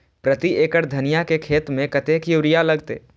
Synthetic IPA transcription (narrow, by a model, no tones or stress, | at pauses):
pɾɐt̪ieːkəɾd̪ʱɐnijakekʰeːt̪mẽkɐt̪eːkjuːɾijalɐɡt̪ḛː